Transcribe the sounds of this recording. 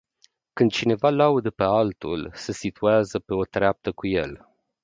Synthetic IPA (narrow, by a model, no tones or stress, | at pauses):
kɨnd̪̚t͡ʃine̞valaud̪əpealt̪ulsesit̪uazəpe̞o̞t̪ɾeap̚t̪əkuje̞l